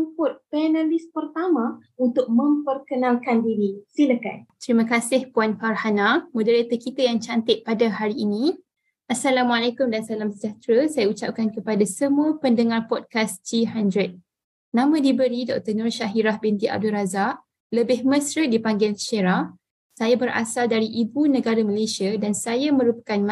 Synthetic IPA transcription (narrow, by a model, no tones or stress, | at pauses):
umpʊt̪̚pɛnalispərt̪amãunt̪ʊk̚mə̃mpərkənãlkandiɾisiləka̰nt̪əɾimãkasɪhpuanfarhanamũdəɾet̪əkit̪ajaŋt͡ʃant̪ɪʔ̚padaɦaɾiːni | ʔasalamualekʊmdansalamsəd͡ʒat̪ɾəsajaut͡ʃap̚kankəpadasəmũəpəndəŋarpɔd̚kasd͡ʒiɦandɾət̪̚ | nãmãdibəɾidɔk̚t̪ənʊrʃaɦiɾahbent̪iʔa̰b̚dulrazaʔ | ləbɪhməsɾət̚dipaŋɡɪlʃeɾa | sajabəɾʔa̰saldaɾiʔibunə̃ɡaɾaməlesiadansajamə̃ɾupḁkanm